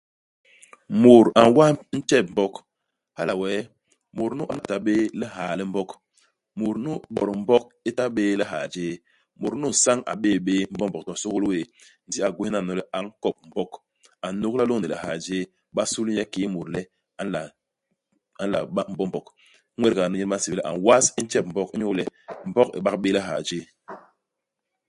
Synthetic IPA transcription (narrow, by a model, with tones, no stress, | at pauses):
mo˨ɾa̰˨n˨wa˦n̩˦t͡ʃɛ˦˨p̚m̩˨bɔ˦k | ha̰˦la˨wɛ˦ | mo˨ɾnu˦ʔa˨na˨ta˨ɓe˦lɛ˦ɦa˨lɛ˦m̩˦bɔ˦k | mo˨ɾnu˦ɓɔ̰˨ɾm̩˦bɔ˦k̚ | i˦ta˦ɓeː˦lɛ˦ɦa̰˨d͡ʒe˦ | mo˨ɾnu˦˨sa˦ŋa̰˨ɓeː˦˨ɓeː˦m̩˦bɔ˦mbɔ˨k̚tɔ˨so˦ɣo˦lwe˦˨ | n̩˨di˦a˨ɡʷu˦i˦na˦˨nɔ˨lɛ˦ʔa˨ŋ˦kɔ˨p̚m̩˨bɔ˦k | a˨nu˦kla˦lo˦ŋni˨lɛ̰˨ha̰˨d͡ʒe˦ | ɓa˦su˦ljɛ˦ki˦mu˨ɾlɛ˦ | a˨˦la˨ | a˨n̩˦la̰˨a˦m̩˦bɔ˦mbɔ˨k | ŋʷwɛ˦ɾka˨nu˦ɲi˦ma˦n˦si˨blɛ˦ʔa̰˨ŋwa˦si˦n̩˦t͡ʃɛ˦p̚m̩˨bɔ˦ki˦ɲu˦lɛ˦m̩˨bɔ˦kḭ˨ɓa˦kɓe˦lɛ˦ɦa̰˨d͡ʒeː˦